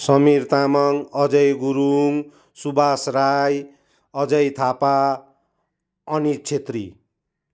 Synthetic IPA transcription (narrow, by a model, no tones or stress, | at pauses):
sʌmirt̪amʌŋʌd͡zʌjɡuɾuŋ | subasraj | ʌd͡zʌjt̪ʰapa | ʌnit͡sʰet̪rḭ